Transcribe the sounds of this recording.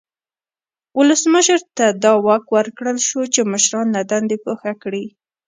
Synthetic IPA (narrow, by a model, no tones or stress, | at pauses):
wʊləsməʃəɾt̪ad̪ɑwɑkwəɾkɽəlʃut͡ʃeməʃɾɑnːad̪and̪epoxakɽi